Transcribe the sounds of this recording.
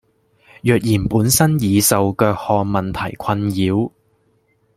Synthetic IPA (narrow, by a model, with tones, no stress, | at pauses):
jœː˨k̚jiː˨˩npuː˨˥nsɐ˥njiː˨˧sɐ˨wkœː˧k̚hɔː˨˧ŋmɐ˨nt̪ʰɐ˨˩jkʰɐ˧njiː˨˥w